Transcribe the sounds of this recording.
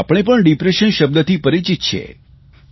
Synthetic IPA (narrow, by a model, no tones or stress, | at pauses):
apɳ̃epəɳɖipɾeʃənʃəb̚d̪ət̪ʰipəɾit͡ʃit̪t͡ʃʰḛ